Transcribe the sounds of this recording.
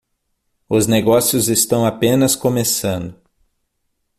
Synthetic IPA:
ʊzneɡɔsiʊzest̪ɐ̃w̃apẽnɐskomesɐ̃nd̪ʊ

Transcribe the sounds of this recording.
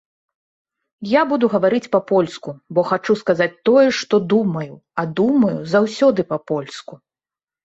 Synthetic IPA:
jabud̪uɣɐvaɾɨt͡sʲpɐpɔlʲskubɔxat͡ʂuskazat͡sʲt̪ɔjɛʂt̪ɔd̪umɐju | ɐd̪umɐjuzawsʲɔd̪ɨpɐpɔlʲsku

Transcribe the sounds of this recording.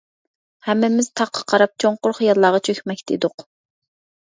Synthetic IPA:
hɛmːɪmɪz̥t̪ʰɑqʰɑ̥qʰɑɾɑp̚t͡ʃʰoɴqʊɾχijɑlːˠɑːʁɑt͡ʃʰøkʲmɛkʲt̪ʰɪḭd̪ʊq

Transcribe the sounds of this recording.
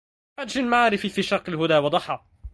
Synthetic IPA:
ad͡ʒːɪlmaʕaːɾɪfifiːʃɑqɪlɦʊd̪aːwɑd̪ˤɑħɑ

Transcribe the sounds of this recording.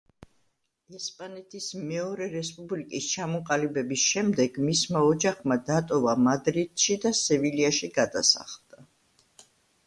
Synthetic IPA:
ɛspʼanɛt̪ʰismɛɔɾɛɾɛspʼublikʼist͡ʃʰamɔqʼalibɛbisʃɛmd̪ɛɡmismaɔd͡ʒaχmad̪at̪ʼɔvamad̪ɾid̪̥ʃid̪asɛviliaʃiɡad̪asa̰χlˠd̪̥a

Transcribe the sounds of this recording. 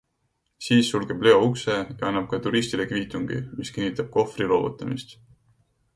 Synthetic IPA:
siːsːulɡe̞b̥le̞o̞ukse̞jɑɑnːɑb̥̚kɑt̪uɾist̪ilekviːt̪ˑuŋɡ̥ḭmiskinːit̪ˑɑb̥̚ko̞frilo̞ːvṵt̪ːˑɑmist̪

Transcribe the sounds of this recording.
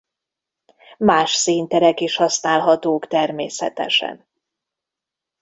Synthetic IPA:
maːʃsiːnt̪ɛɾɛkiʃhɒsnaːlɦɒt̪oːkt̪ɛrmeːsɛ̰t̪ɛ̰ʃɛ̰n

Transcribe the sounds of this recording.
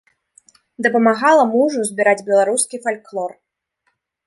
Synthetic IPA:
d̪ɐpɐmaɣalˠɐmuʐuzʲbʲiɾad͡zʲbʲɛlˠaɾuskʲifalʲklˠɔr

